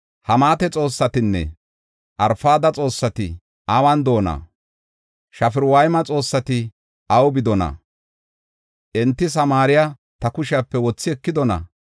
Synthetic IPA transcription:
hɐmaːt̪ɛt͡sʼo̞ːsːɐt̪ɪnːɛ̰ | ʔɐɾfaːd̪ɐt͡sʼo̞ːsːɐt̪ɪ | ʔɐwɐnd̪o̞ːnɐ̰ | ʃɐfɪɾwɐjmɐt͡sʼo̞ːsːɐt̪ɪ | ʔɐwbɪd̪ɔnɐ̰ | ʔɛnt̪ːɪs̬ɐmaːɾɪja | t̪ɐkʊʃɪapːɛwɔt͡sːɪɛkːɪd̪ɔnɐ̰

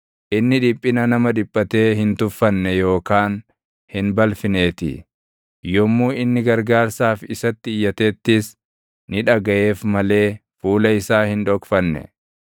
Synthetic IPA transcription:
ʔɪnːɪᶑɪpʼːɪnɐnɐmɐᶑɪpʼːɐt̪e̞ːhɪnt̪ʊfːɐnːɛjo̞ːkaːn | hɪnbɐlfɪne̞ːt̪ɪ̰ | jɔmːuːɪnːɪɡɐɾɡaːɾsaːfɪsɐt̪ːɪːjːɐt̪e̞ːt̪ːɪs | nɪᶑɐɡɐʔe̞ːfmɐle̞ː | fuːlɐɪsaːhɪnᶑɔkfɐnːɛ̰

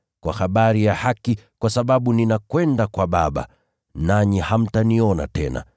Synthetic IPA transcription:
kwahaɓaɾijahakikwasaɓaɓuninakwɛndakwaɓaɓa̰ | naɲiham̩taniɔna̰tɛna̰

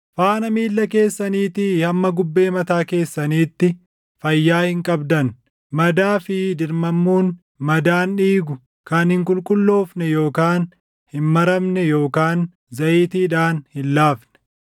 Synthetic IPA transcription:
faːnɐmiːlːɐke̞ːsːɐniːt̪ɪhɐmːɐɡʊbːe̞ːmɐt̪aːke̞ːsːɐniːt̪ːɪ | fɐjːaːhɪŋkʼɐbd̪ɐn | mɐd̪aːfɪd̪ɪɾmɐmːuːn | mɐd̪aːnᶑiːɡʊ | kɐnhɪŋkʼʊlkʼʊlːo̞ːfnɛjo̞ːkaːn | hɪnmɐɾɐmnɛjo̞ːkaːn | zɐʔiːt̪iːᶑaːnhɪlːaːfnɛ̥

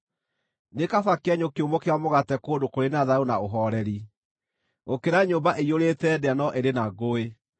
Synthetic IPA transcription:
nekafakɛɲokeomokewamoɣatɛkoːdokoɾenaðaonaoɦɔɾɛɾi | okeɾaɲoːmbaʔeioɾetɛdeanɔʔeɾenaɣoe

